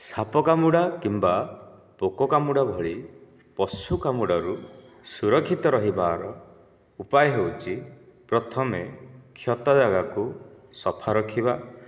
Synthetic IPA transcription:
sapɔkamuɽakimba | pokɔkamuɽabʱɔɭi | pɔsukamuɽaɾu | suɾɔkʰːit̪ɔɾɔɦibaɾɔ | upajɔɦewt͡ʃʰipɾɔt̪ʰɔmekʰjɔt̪ɔd͡ʒaɡaku | sɔpʰaɾɔkʰiba

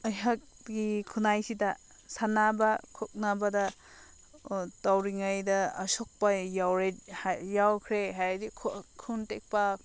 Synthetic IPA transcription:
ɐjɦak̚ | ɡikʰunajsidɐ | sanabɐkʰɔk̚nabɐdɐ | tawɾiŋɐjdɐːsok̚pɐjawɾejawkʰɾeɦajdikʰkʰuntek̚pɐ

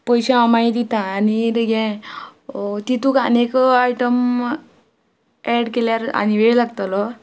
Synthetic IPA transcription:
pɔjɕeamajid̪it̪ãːniɾɡɛ̃ | t̪it̪ukanekajʈəm | ɛɽkeljaɾa̰ñiʋeɭlaɡt̪alɔ

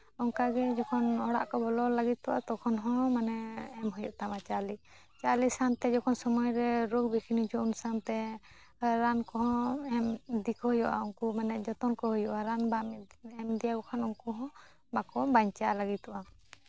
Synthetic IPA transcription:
ɔŋkaɡɛd͡ʒɔkʰɔnɔɽa̰ʔkɔbɔlɔlaɡit̪ːɔʔa̰t̪ɔkʰɔnɦɔ̃manɛːmɦɔjɔʔt̪amat͡ʃali | t͡ʃalisant̪ɛd͡ʒɔkʰɔnsɔmɔjɾɛɾoɡ̚bikʰinud͡ʒɔʔunsant̪ɛ | ɾankɔɦɔ̃ɛmd̪ikɔhujɔʔa̰uŋkumanɛd͡ʒɔt̪ɔnkɔɦujɔʔaɾanbamɛmd̪ijaɡɔkʰanuŋkuɦɔ̃ | bakɔbaɲt͡ʃalaɡit̪ɔʔa

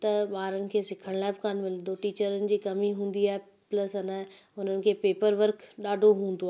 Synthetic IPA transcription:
t̪ɐɓaːɾənɪ̆kʰeːsɪkʰəɽ̃laːɪbɪkaːnmɪlɪd̪oʈiːt͡ɕəɾənɪ̆d͡ʑiːkɐmiɦũːn̆d̪iaːɦe | plɐsɐna | ʊn̤ənɪ̆kʰeːpeːpəɾʋəɾkɗaːɖʱoɦũːn̆d̪oaː

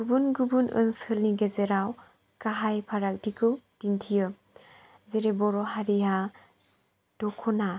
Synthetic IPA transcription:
ɡubunɡubunʔɯ̰nsɯlniɡezeɾaw | kaɦajpʰaɾak̚dikʰɯwd̥intʰijɯ | zeɾebɔɾɔɦaɾija | d̥ɔkʰɔna

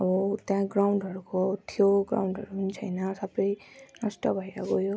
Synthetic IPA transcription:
ʌbʌt̪jãɡɾawɳɖʱɦʌɾukot̪ʰjoɡɾa̰wɳɖʱʌɾupʌnit͡sʰʌjnʌsʌbʌjnasʈʌbʱʌiɾakojo

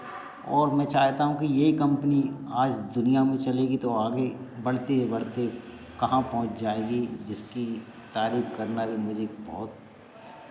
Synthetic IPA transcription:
ɔːɾmɛ̃ːt͡ʃaːɦt̪aɦũkijeikɐ̃mpniaːd͡ʒd̪ʊnijamẽt͡ʃɐleːɡit̪oaːɡebɐɽ̤t̪ebɐɽt̪e | kɐɦãpɔ̃ɦʊ̃t͡ʃd͡ʒaːeːɡid͡ʒɪski | t̪aːɾiːfkɐɾnabʱimʊd͡ʒʱebɔːt̪̚

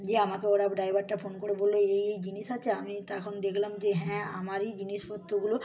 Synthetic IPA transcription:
d͡ʑeamakeoɽabɖajbʱaɾʈafʰonkoɽebolːoejejd͡ʑiniʃat͡ɕʰeamit̪akʰonod̪ekʰlamd͡ʑeɦɛ̃ːamaɾid͡ʑiniʃfot̪ːoɡulo

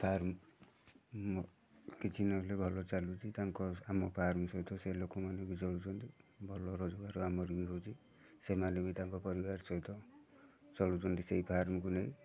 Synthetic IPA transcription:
pʰaɾm | ɔ | kit͡ʃʰinɔlebʱɔlɔt͡ʃalut͡ʃʰit̪aŋkɔamɔpʰaɾmɔsɔwt̪ʰɔselokɔmanebit͡ʃɔɭut͡ʃʰɔnt̪ibʱɔlɔɾɔd͡ʒɔɡaɾuamɔɾubiɦowt͡ʃʰi | semalumit̪aŋkɔpɔɾibaɾsɔwt̪ʰɔ | t͡ʃɔɭut͡ʃʰɔnt̪iseɦipʰaɾmɔkuneĩ

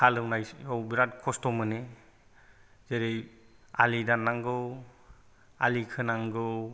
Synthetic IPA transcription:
kʰalɯwnajɔwbiɾat̚kʰɔstɔmɯne | zeɾej | a̰lidanːaŋɡɯw | a̰likʰɯnaŋɡɯw

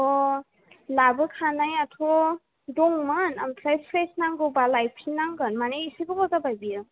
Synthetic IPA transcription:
ɔ | labɯkʰanajatʰɔ | dɔŋmanamtʰɾajpʰɾesnaŋɡɯwbalajpʰinaŋɡɯnmaneisibɯkɔtabajbiɯ

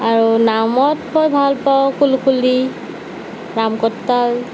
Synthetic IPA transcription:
aɹunamɔthɔjbʱalpɔkulkʰuli | namkɔtːal

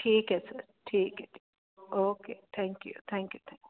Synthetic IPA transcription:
ʈʰiːkɛsɐ | ʈʰiːket̪i | oːkeːt̪ʰɛ̃ŋkjṵt̪ʰɛ̃ŋkjut̪ʰɛ̃ŋk

